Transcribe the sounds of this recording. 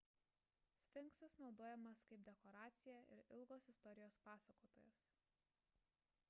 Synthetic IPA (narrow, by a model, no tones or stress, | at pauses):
sʲfʲɪŋˑksɐsnɒʊd̪oːjɛmɐskɐɪp̚d̪ʲɛkɔɾɑːt̪sʲɪjɛʔɪ̰ɾɪlˠɡoːsɪst̪ɔɾʲɪjoːspɑːsɐkoːt̪oːjʊs